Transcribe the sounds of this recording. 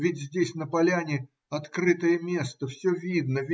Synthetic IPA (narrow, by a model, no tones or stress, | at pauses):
vʲɪtʲzʲdʲesʲnəpɐlʲænʲɪ | ɐt̪krɨt̪əjəmʲe̞st̪əfsʲɵvʲid̪nəvʲ